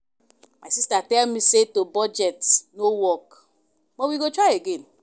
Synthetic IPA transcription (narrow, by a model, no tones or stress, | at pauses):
maɪsistatɛlmisetobɔd͡ʒɛtnowɔk | wɛ̃nwiɡotɹajeɡẽn